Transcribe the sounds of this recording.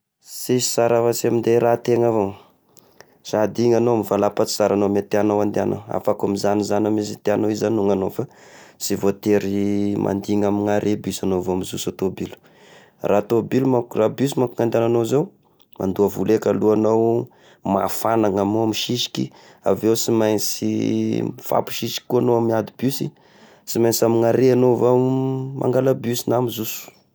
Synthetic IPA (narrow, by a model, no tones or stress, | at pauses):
sesi̥saɾavasiamind̪eɾat̪eŋavo | sad̪iŋanoamivalapat͡si̥saɾanomet̪eanowand̪eano̰a̰fakamizanizanamisit̪eanowizanuŋanofasivot̪eɾimʔa̰nd̪iŋamiŋaɾʔebysanovoamizusot̪obilu̥ | rʔat̪obilmakrabys̬imakuŋand̪ananozew | mʔa̰nd̪uavulekaluanow | ma̰fanaŋamoamiʃiʃi̥kʲḭ | a̰vewsimajnt͡sḭ | fa̰pu̥ʃiʃi̥ki̥kːuanoamiad̪ibysi | simajnsamiŋaɾeanovamʔa̰ŋɡalabysinamizusu̥